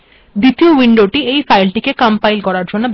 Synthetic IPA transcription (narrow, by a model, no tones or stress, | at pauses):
d̪it̪iowiɳɖoʈiejfajlʈikekampajlkɔɾaɾd͡ʑonːob